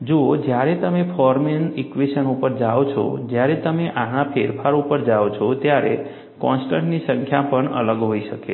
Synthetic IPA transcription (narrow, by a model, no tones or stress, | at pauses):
d͡ʒod͡ʒjaɾet̪əmepʰɔɾmenikʋeʃənupəɾd͡ʒaʋot͡ʃʰo̰d͡ʒjaɾet̪əmeʔañapʰeɾpʰaɾupəɾd͡ʒaʋot͡ʃʰot̪jaɾe | kɔ̃nsʈə̃ɳʈnisə̃ŋkʰjapəɳə̰ləɡɦoiʃəke